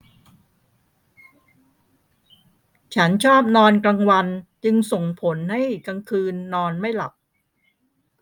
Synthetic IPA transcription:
t͡ɕʰa˦˥nt͡ɕʰɔː˥˩p̚nɔː˧nkɾa˧ŋwa˧nt͡ɕɯ˧ŋso˨˩ŋpʰo˩˦nha˥˩jka˧ŋkʰɯː˧nːɔː˧nma˥˩jla̰˨˩p̚

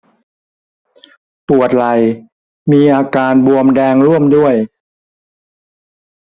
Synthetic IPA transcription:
pu˨˩ət̪̚la˨˩j | miː˧ʔaː˧kaː˧nbu˧əmdɛː˧ŋɾu˥˩əmdu˥˩əj

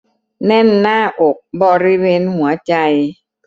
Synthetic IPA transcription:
nɛ˥˩˨nːaː˥˩ʔo˨˩k̚bɔː˧ɾi˦˥˩weː˧nhu˩˦ɐt͡ɕa˧j

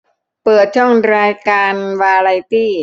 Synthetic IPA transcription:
pɤː˨˩t̪̚t͡ɕʰɔ˥˩ŋɾaː˧jkaː˧nwaː˧ɾa˧jt̪iː˥˩

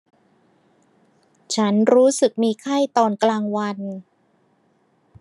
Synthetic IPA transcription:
t͡ɕʰa˦˥nɾuː˦˥sɯ˨˩k̚miː˧kʰa˥˩jt̪ɔː˧nklaː˧ŋwa˧n

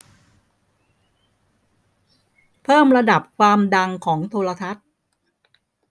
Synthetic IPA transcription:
pʰɤː˥˩mɾa˧da˨˩p̚kʰwaː˧mda˧ŋkʰɔː˩˦ŋt̪ʰoː˧ɾa˧t̪ʰa˦˥t̪̚

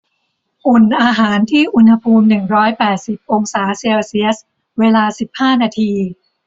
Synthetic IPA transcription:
ʔu˨˩nʔaː˧ɦaː˩˦nt̪ʰiː˥˩ʔu˧nha˧pʰuː˧mnɯ˨˩ŋɾɔː˦˥jpɛː˨˩t̪̚si˨˩p̚ʔo˧ŋsaː˩˦se˧wsi˦˥əs | weː˧laː˧si˨˩p̚haː˥˩naː˧t̪ʰiː˧

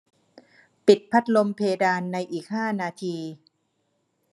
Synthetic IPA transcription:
pi˨˩t̪̚pʰa˦˥t̪̚lo˧mpʰeː˧daː˧nːa˧jʔiː˨˩k̚haː˥˩naː˧t̪ʰiː˧

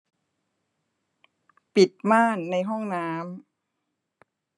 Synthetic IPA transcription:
pi˨˩t̪̚maː˥˩nːa˧jɦɔ˥˩ŋnaː˦˥m

